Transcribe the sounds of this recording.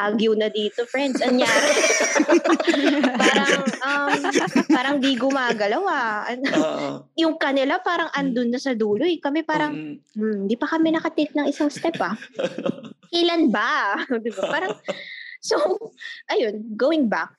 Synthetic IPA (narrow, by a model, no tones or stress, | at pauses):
ʔaɡjʊwnɐd̪iːt̪ofɹɛnd̪sɐŋjaːɾ | paːɾɐŋʔɐmaːɾɐŋd̪iɡʊmaːɡɐlɐwaʔɐn | jʊŋkɐnɪlapaːɾɐŋʔɐnd̪ʊnːɐsɐd̪uːlʊjkɐmɛpaːɾɐŋm̩nd̪ipɐkɐmɛnɐkɐt̪ɪk̪̚nɐŋɪsaŋst̪ɛpɐ | kɛlɐnbɐd̪ɪbapaːɾɐŋsowʔɐjo̞nɡowɪŋbak̚